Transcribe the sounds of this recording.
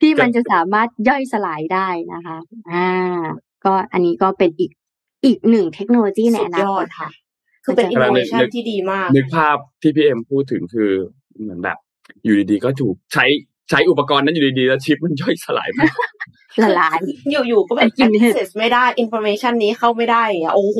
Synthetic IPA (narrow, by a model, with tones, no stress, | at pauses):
t̪ʰiː˥˩ma˧nt͡ɕa˨˩saː˩˦maː˥˩t̪̚jɔ˥˩jsa˧laː˩˦jdaː˥˩jna̰˦˥kʰa˦˥ʔʔaː˧ | kɔː˥˩ʔa˧nːiː˦˥kɔː˥˩pe˧nʔiː˨˩k̚ | ʔiː˨˩k̚nɯ˨˩ŋt̪ʰe˦˥k̚noː˧loː˧t͡ɕiː˥˩a˧ja˧na˧ɔː˥˧˩t̪̚kʰa˥˩ʔ | kʰːɯː˧˩pe˧˩ʔi˧a˧nɯ˧˦˥a˥n˦˥t̪ʰiː˥˩diː˧maː˥˩knɯ˦˥k̚pʰaː˥˩p̚t̪ʰiː˥˩pʰiː˧˩ʔe˧mpʰuː˥˩t̪ʰɯ˨˩˦ŋkʰɯː˧ | mɯ˩˦ənbɛ̰ː˨˩p̚ | juː˨˩diː˧diː˧kɔː˥˩t̪ʰuː˨˩k̚t͡ɕʰa˦˥j | t͡ɕʰa˦˥jʔu˨˩pːa˧kɔː˧nːa˥njuː˨˩iː˧diː˧lɛː˦˥wt͡ɕʰi˦˥p̚ma˧˥njɔ˥˩jsa˧la̰ː˩˦jma˥˩ | sa˧laː˨˩˦jjuː˨˩juː˨˩kɔː˥˩bki˨ne˨se˨˩sma˥˩jdaː˥˩jʔi˧nfʰɔ˧meː˧t͡ɕʰa˥˩nːiː˦˥xʰa˥˩wma˥˩jda˥˩ja˨ŋi˦˥ɐʔoː˧h